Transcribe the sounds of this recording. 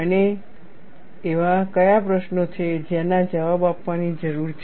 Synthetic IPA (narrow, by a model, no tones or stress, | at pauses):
əne | ʋakəjapɾəʃnot͡ʃʰed͡ʒanad͡ʒəʋabapʋanid͡ʒəɾuɾt͡ʃʰ